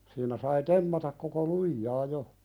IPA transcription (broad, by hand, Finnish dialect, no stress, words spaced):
siːnæ sɑi temːɑtɑk koko lujːɑː jo